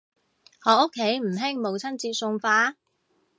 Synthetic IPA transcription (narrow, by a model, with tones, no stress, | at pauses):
hɔː˨˧˥ʊ˥kʰːe˨˥jm̩˨˩ɦɪ˥ŋmo˨˧wt͡sʰɐ˥nt͡siː˧t̚sʊ˧ŋfaː˧˥